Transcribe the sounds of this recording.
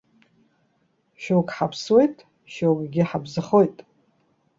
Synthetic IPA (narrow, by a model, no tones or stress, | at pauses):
ʃowkʼħapʰswe̞jtʼ | ʃowkʼɡʲɪħabzɨχo̞jtʼ